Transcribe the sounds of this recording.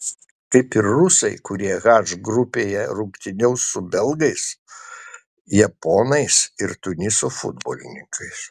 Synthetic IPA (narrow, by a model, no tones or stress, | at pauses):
k̪ɐɪpɪɾːʊsɐɪkʊɾʲiɛɣɑːʒɡɾʊpʲeːjɛɾʊkt̪ʲɪnʲɛʊsʊbʲɛlˠɡɐɪs | jɛpoːnɐɪsɪɾt̪ʊnʲɪsoːfʊ̰d̪bo̰ːlʲɪnʲɪŋkʰɐɪs